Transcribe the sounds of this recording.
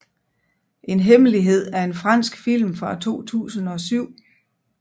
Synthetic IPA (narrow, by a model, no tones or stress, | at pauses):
ʔe̝nɦeməliɦe̝ð̞̰ˠæɐe̝nfʁɑ̈n̰sɡ̥fil̰mfʁɑ̈t͡sʰo̝̰ːt͡sʰṵːsn̩ɒ̽syʊ̰